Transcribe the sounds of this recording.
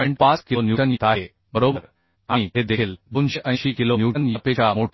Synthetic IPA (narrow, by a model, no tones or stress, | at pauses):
ɔiɳʈ̚paskilnjuʈənjit̪aɦe | bəɾobəɾ | ãiɦed̪ekʰilbunɕiʔə̃iʃikilonjuːʈənjipet͡ɕamoʈ